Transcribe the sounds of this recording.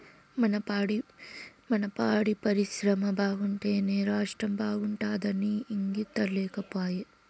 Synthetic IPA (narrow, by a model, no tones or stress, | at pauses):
mɐnɐpaːɽimɐnɐpaːɽipɐɾiʃɾɐmɐbaːɡuɳʈe̞ːneːɾaːʂʈɾɐmbaːɡuɳʈaːd̪ɐniːŋɡit̪ːɐlɛːkɐpaːje